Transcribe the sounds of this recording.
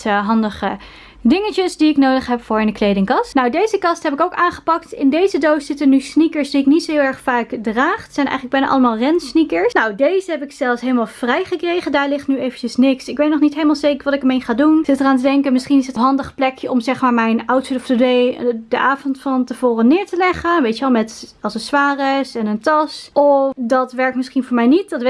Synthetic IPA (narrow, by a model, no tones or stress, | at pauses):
ɦɑndəχə | dɪŋət͡ʃəsdiɪknowdəχɦɛpfʊːɹɪndəklejdɪŋkɑstnowdejzəkɑstɦɛpɪkowkaːnχə̥pɑk̚tɪndejzədowsz̥ɪtənysnikəɹsdiɪknitsowɪlˠɛɹχfaːkdraːχtsɛjnɛ̰jχələɡ̚bɛjnəʔɑ̰ləmaːlˠrɛnsnikəɹsnowdejzəɦɛpɪksɛlˠfsɦejləmaːlˠv̥rɛjχəkrejχəndaːɹlɪχtnyejvəncəsnɪksɪkʋejtnɔχnitɦejləmaːlˠzejkəɹʋɑtɪkəmejnχaːdunsɪtəraːntədɛŋkənmɪsχinɪsətɦɑndəχplɛkjəʔɔmzɛχmaːɹmɛjnawtsɪtɔftədejdəʔaːvɔntfɑntəv̥oːrənɪːɹtəlɛχəʋejtəʋɛlˠmɛtɑlˠsəsʋaːrəsɛnəntɑsɔfdɑtʋɛɹk̚tmɪsχinvʊːɹmɛjnitdɑt